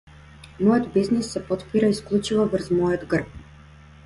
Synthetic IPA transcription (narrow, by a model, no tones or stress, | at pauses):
mɔjəd̪biznisːɛpɔt̪piɾaisklˠut͡ʃivɔvəɾzmɔjəd̪ɡrp̚